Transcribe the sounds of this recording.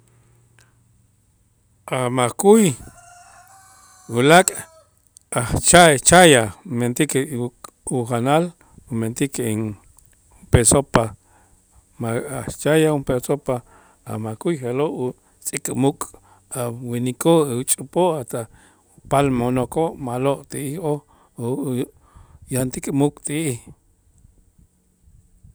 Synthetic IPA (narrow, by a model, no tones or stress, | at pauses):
amakuj | wulakʼ | aht͡ʃat͡ʃajament̪ike | uxanal | ument̪ikein | pesopa | maat͡ʃajaumpesopa | a̰makujχeloʔu | t͡sʼikʼmukʼ | awinikoeut͡ʃʼupoʔat̪a | palmonokoʔmaloʔt̪iʔiho | jant̪ikʼmukʼt̪iʔih